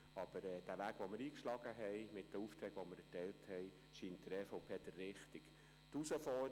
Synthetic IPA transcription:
ɑb̥əɾɛːd̥æʋæːɡ̥ʋomɪɾiːkʃlɑɡəɦɛjmɪt̚d̥əuft̪ɾɛːɡ̥ʋoməɾɛtɛɪlthɛɪ | ʃiːnt̚d̥̪əɾɛːfoʊpʰeːd̥̪ərːɪχtɪɡ̥ | t̪usəfɔ

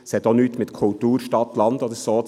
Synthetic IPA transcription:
shɛt̪onyːt̪mɪt̪kʰʊlt̪uːɾʃtɑt̪lɑnd̪ɔdəɾsoː

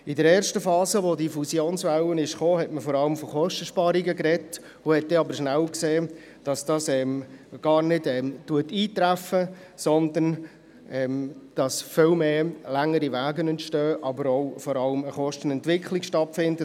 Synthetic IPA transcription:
ɪdəɾɛːɾʃtəfɑːzəʋodifusjoːnsʋɛwənɪʃχoːɦɛtməfɔɾɑləmfɔχɔʃtəʃpɑɾiɡəkɾɛt | ʊhɛt̚d̥ɛɑbəɾʃnælkseː | d̥ɑsd̥ɑːsɛmɡ̥ɑːɾnɪdɛmtuətiːt̪ɾæfə | sɔnd̪ən | ɛmd̥ɑsfɪlmeːlæŋəɾiʋæːɡənɛntʃtøːʔɑbəɾoʊfɔɾɑləməχɔʃtən̩ɛntʋɪkʰχlikʃtɑtfɪndə

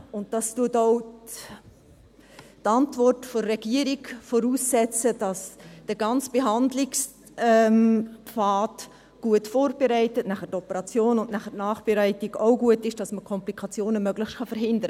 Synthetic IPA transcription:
ʊnt̚d̥ɑstuətoʊ | tɑntvɔrtfɔːɛɡ̥iəɾiɡfɔɾuːsːɛt͡sədɑsd̥əɡɑnt͡sb̥eɦɑndlɪks | ɛmfɑːt | ɡ̥uətfoːrb̥eɾæɪtətnæχətɔpəɾɑt͡sjoːnʊnnæχətnɑːχb̥eɾæɪtiɡoʊɡuətɪʃd̥ɑsməkʰɔmplikʰɑt͡sjoːnəmœɡlɪxtχɑfəɾɦɪndəɾə

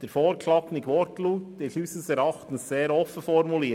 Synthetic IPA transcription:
d̥eɾfoːɾkʰlɑknɪɡʋɔɾtluːtdɪɬysəsɛɾɑχtən̩sseːɾɔfəfɔɾmuliː

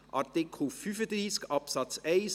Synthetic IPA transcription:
ʔʔɑɾtɪkʰl̩fyfəd̪ɾiːskɑpsɑt͡sɛɪs

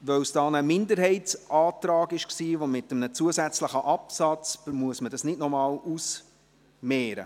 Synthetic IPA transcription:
ʋœwsd̥ɑːnəmɪndəɾɦɛɪtsʔɑːtɾɑːɡɪʃksiːʋomɪtəmnət͡suəsæt͡sləχəʔɑpsɑt͡sb̥əmuəsmədɑsnɪdnɔmɑːlus | mɛːɾə̰

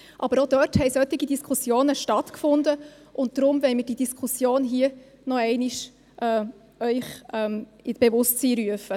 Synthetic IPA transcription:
ʔɑbəɾodœthɛɪsœt̪iɡidiskʰusjoːnəʃtɑtkfʊnd̪ə | ʔʊnt̚d̥ɾʊmvɛɪmɪd̥idiskʰχusjoːnɦiə | nɔɛɪniʃ | ʔɛ | œʏχɛmib̥evʊstt͡siːɾyəfə

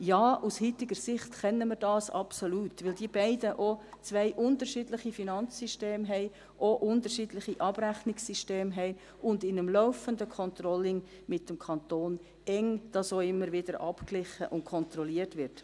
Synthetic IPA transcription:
jɑːʔushyt̪ɪɡəɾsɪχtkɛnːəməɾdɑːsɑ̰psoluːtʋɪldiːəbæɪdəʔot͡sʋɛɪʔʊntəɾʃiːdlɪχifinɑnt͡ssiʃteːmɦɛɪ | ʔoʔʊndəɾʃiːdlɪχiʔɑb̥ɾæχnɪksiʃteːmɦɛɪ | ʊndɪnəmlɔʊfəndəkʰɔnt̪ɾɔlɪŋ | mɪt̚ːəmkʰɑntoːn | ɛŋd̥ɑsoɪmːəɾʋɪd̥əɾʔɑpklɪχəʔʊntkʰɔnt̪ɾɔliːərtʋɪrt

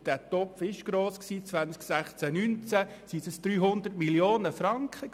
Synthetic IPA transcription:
d̥æːtɔpfɪʃɡ̥ɾoːsksiːt͡sʋænt͡sksæχt͡sænynt͡sæsisəsd̥̪ɾyːɦʊnd̪ərtmiljoːnəfɾɑŋkχə

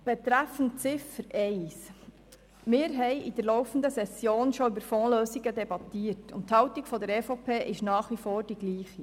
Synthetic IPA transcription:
b̥ɛt̪ɾæfn̩t͡sɪfəɾʔɛɪs | mɪːɾɦɛɪʔidəɾlɔwfn̩dəsɛsjoːnʃoybəɾfɔːløːsiɡədɛbɑt̪iːəɾtʊ̰ntthɑwtikfɔdəɾɛfopʰeːʔɪʃnɑːχʋifoːɾd̥iɡliːχi

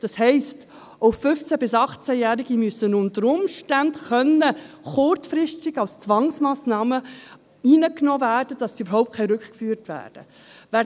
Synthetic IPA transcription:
d̥ɑshɛɪst | oʊfʏft͡sæbɪsɑχt͡sæjæːɾiɡimysənʊntəɾʊmʃtændχœnə | χʊɾt͡sfɾɪstɪɡɑwst͡svɑŋsmaːsnɑːmə | iːnəknɔːvæːrd̥əd̥ɑsdiybəɾhɔʊp̚t̚kʰɛɪɾʏkχkfyːɾtvæ̰ːrd̥ə̰ | væː

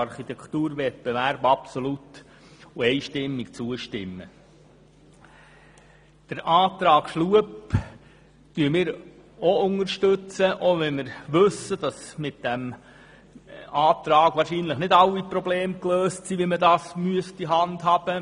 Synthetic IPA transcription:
ɑɾχit̪ɛkt̪uːɾʋɛt̚b̥ɛʋæɾbɑpsolut̪ | uɛɪʃtɪmːikt͡suəʃtɪmːə̰ | d̥əɾʔɑːt̪ɾɑːkʃluəp | tyːəmɪːɾ | oʊŋəɾʃtɵt͡səʔoʋɛnmɪɾʋɵsːəd̥ɑsmɪt̪̚d̥æm | ɑːt̪ɾɑːɡ̥ʋɑːɾʃinləχnɪdɑwiprɔbleːmkløːstsiːʋimədɑːsmyəstiɦɑnd̪ɦɑːb̥ə

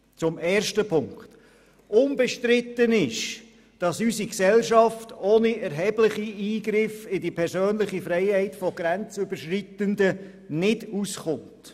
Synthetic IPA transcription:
t͡sʊmɛːɾʃtəpʰʊŋkt | ʔʊnbɛʃtɾɪt̪ːənɪʃ | d̥ɑsysiksɛlʃɑftoːniɛɾɦɛblɪχiiːɡɾɪfɪdipʰɛɾsøːnlɪχifɾɛɪhɛɪtfɔɡɾænt͡sʏbəʃritəndə | nɪdusχʊnt

